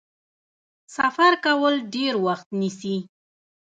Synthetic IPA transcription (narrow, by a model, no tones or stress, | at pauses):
safaɾkawəlɖeɾwaxt̪nisi